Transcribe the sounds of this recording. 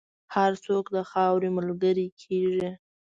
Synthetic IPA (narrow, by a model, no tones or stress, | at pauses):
haɾt͡sokd̪əxɑwɾiməlɡəɾikʰeʒi